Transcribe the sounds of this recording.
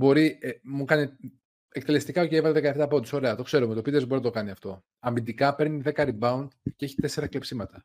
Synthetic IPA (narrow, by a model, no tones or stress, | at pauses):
bo̞ɾiemukɐni | ekt̪e̞lest̪ikɐoceivɐt̪ðekɐeft̪ɐːpot̪uso̞ɾe̞ɐt̪okse̞ɾomet̪o̞pid̪ezboɾinɐt̪o̞kɐniɐft̪o̞ | ɐmind̪ikɐpe̞ɾniðe̞kɐɾibɐund̪ceeçi̥t̪e̞se̞ɾɐklepsimɐt̪ɐ